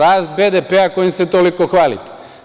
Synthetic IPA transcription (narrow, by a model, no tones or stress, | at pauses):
aːst̪̚bed̪epeakojimset̪olikoxʋaːlḭt̪e̥